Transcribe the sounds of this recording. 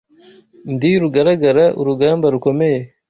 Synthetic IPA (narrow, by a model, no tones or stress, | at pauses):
ndiɾuɡaɾaɡaɾaʔuɾuɡaːmbaɾuko̞me̞je̞